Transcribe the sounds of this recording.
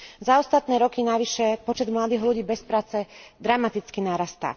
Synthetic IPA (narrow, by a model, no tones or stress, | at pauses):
zaɔst̪at̪nɛːɾɔkinaʋiʃɛpɔt͡ʃɛd̪mlad̪iːɦluɟiːbɛspɾaːt͡sɛd̪ɾamat̪it͡skinaːɾast̪a̰ː